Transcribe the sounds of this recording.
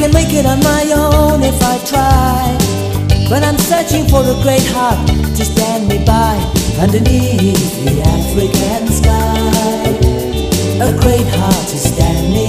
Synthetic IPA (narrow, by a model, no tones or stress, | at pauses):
ɨ̃nmeɪkɪɾn̩maɪõʊ̃nɪfaɪtʰɹ̥aɪ | w̥ʌɾãɪ̃msɜ˞t͡ʃɪ̃ŋfə˞əɡɹeɪt̚hɑɹttʰɨstæ̃nd̚mibaɪʌ̃ndə˞niθðilæk̚θɹɪkɨ̃nskaɪɪ | əɡɹeɪt̚hɑɹtʰɨstæ̃nmi